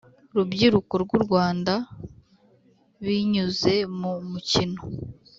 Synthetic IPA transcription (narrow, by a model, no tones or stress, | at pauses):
ɾubɟiɾukoɾɡuɾɡwaːnda | βiɲuze̞mumucino